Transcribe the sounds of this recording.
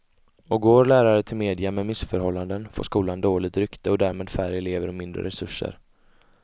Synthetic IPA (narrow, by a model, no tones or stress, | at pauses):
ɔɡoːɾɭæːɾaɾət̪ʰɪlmeːd̪ɪamɛmɪsfœɾhɔlːand̪ənfo̰ːʂkuːland̪oːlɪt̪ɾʏkt̪əɔd̪æːɾmeːd̪fæɾɛleːvəɾɔmɪnd̪ɾə̰ɾɛsɵʂːə̰ɾ